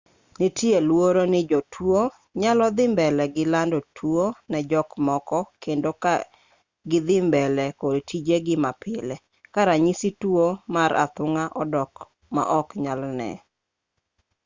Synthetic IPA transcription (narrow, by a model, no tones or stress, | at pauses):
nitielwoɾonɪd͡ʒɔtʰwo | ɲalɔd̪ɪmbɛlɛɡɪlandotʰwonɛd͡ʒɔkmɔkɔkendoka | ɡɪd̪ɪmbɛlɛkodtʰid͡ʒeɡɪmapɪlɛ | kaɾaɲisitwomaɾa̰t̪ʊŋaʔɔdɔk | ma̰ʔɔkɲalnɛ̰